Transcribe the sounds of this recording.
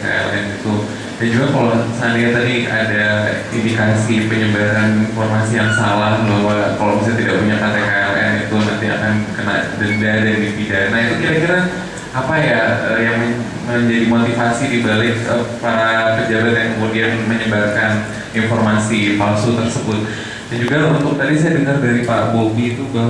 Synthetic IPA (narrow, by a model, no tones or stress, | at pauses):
ka̰ɛ̰lʔɛnɡit̪u | dand͡ʒuɡakalosaaniat̪adia̰da | indikasipəɲəbataninformasijaŋsalahluwakalobis̬at̪idaʔpuɲakat̪ɛkaɛlɛ̰nit̪unant̪ia̰kankəna̰dəɾdadadit̪idanaɦit̪ukiɾakiɾa | apajaəjaŋ | məɲd͡ʒadimot̪ifasidibalɪk̚əpaɾakəd͡ʒabat̪jaŋkəmurdianməɲəbatkan | informasipalsut̪ərsəbʊt̪̚ | dand͡ʒuɡaunt̪ʊk̚t̪adis̬ajadəŋardaɾipa̰bobiːt̪uba